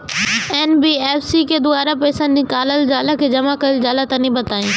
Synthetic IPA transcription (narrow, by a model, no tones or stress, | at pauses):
ɛːnbieːfsiked̪ʊaːɾapɛːsãnɪ̃kaːləld͡ʒaːlakʰed͡ʑɐmakɐɪld͡ʒaːlat̪ãnĩbɐt̪aːĩː